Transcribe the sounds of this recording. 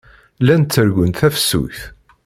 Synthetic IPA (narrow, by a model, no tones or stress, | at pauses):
lænt̪ːəɾɡʷənt̪θæfə̥sːṵjθ